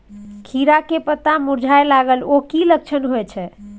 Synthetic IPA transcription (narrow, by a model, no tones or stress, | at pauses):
kʰiɾakepət̪amuɾd͡ʒʱaelaɡəlokilək̚t͡ʃʰənɦoɛt͡ʃʰɛ